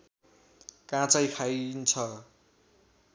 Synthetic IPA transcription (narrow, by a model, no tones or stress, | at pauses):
kãt͡sʌjkʰajnt͡sʰʌ